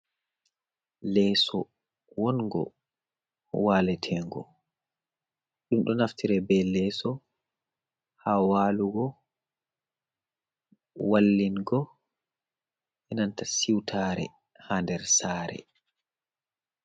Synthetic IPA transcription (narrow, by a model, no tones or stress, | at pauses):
lɛːsɔ | wɔnɡɔ̰ | waːlɛtʰɛŋɡɔ̰ | ɗumɗɔnaftiɾɛbɛlɛsɔ | hawaluɡɔ | walːinɡɔ | ʔɛnantasiwtʰaɾɛ̰ | handɛɾsaːɾɛ̰